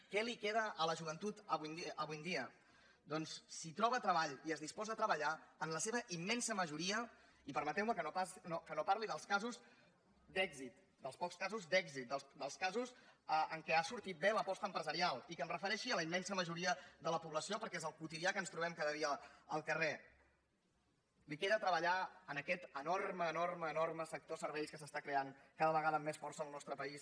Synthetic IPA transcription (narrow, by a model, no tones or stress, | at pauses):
kɛlikeðəʔːləʒuβ̞ənt̪ut̪əβujnəβujnd̪iə | d̪ɔnsːit̪ɾɔβət̪ɾəβaʎiəzðispɔzəət̪ɾəβəʎaənləseβəʔimːɛnsəməʒuɾiə | ipəɾmət̪ɛwməkənopanokənopaɾliðəlˠskazuz | d̪ɛɡzit̪̚ | d̪əlˠspɔkskazuzd̪ɛɡzit̪̚d̪əlˠd̪əlˠskazuzəəŋkɛasuɾt̪it̪̚beləpɔst̪əmpɾəzəɾialˠikəmrəfəɾɛʃiələimːɛnsəməʒuɾiəðələpuβləsiopəɾkɛezəlˠkut̪iðiakənst̪ɾuβ̞ɛmkaðəðiəəlˠkəre | likeðət̪ɾəβəʎaənəkɛt̪ənorməːnorməːnorməsək̚t̪osəɾβɛjskəsəst̪akɾeaŋkaðəβəɣaðəmesfɔrsəːlˠnɔst̪ɾəpəis